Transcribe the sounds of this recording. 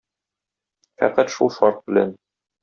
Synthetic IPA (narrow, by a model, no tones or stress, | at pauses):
fæ̰qæt̪ʃulˠʃɒɾt̪̚bɘ̆læ̰n